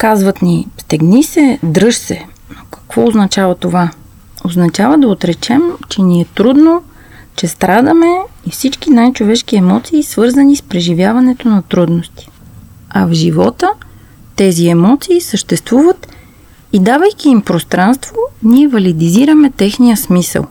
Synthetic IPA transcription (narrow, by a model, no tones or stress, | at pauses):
kazvət̪nist̪ɛɡnisɛd̪ɾɤʃsɛ | nokɐ̥kv̥ɔoznɐt͡ʃavɐt̪ova | oznɐt͡ʃavəd̪ɐot̪ɾɛt͡ʃɛmt͡ʃɛniɛt̪ɾud̪no | t͡ʃɛst̪ɾad̪əmɛifsit͡ʃkinajt͡ʃovɛʃkiɛmɔt̪siːsvɤɾzənispɾɛʒivʲjavɐnɛt̪onɐt̪ɾud̪nost̪i̥ɐvʒivɔt̪ə | t̪ɛziɛmɔt̪siːsəʃt̪ɛst̪vuvət̪ | id̪avɐjkʲiːmpɾost̪ɾanst̪voniɛvɐlid̪iziɾəmɛt̪ɛxnijəsmisə̰lˠ